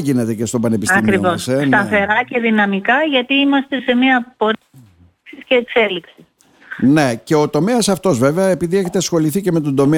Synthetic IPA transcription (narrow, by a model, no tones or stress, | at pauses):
ʝine̞t̪e̞cest̪opɐne̞pisɐimkɾivossest̪ɐθe̞ɾɐce̞ðinɐmikɐʝɐt̪iimɐst̪e̞se̞miɐpo̞ɾ | ksisceːkse̞liksi̥s | ne̞ce̞ot̪o̞me̞ɐsɐft̪o̞zve̞veɐe̞piðieçet̪esxo̞liθiceme̞t̪o̞nd̪o̞me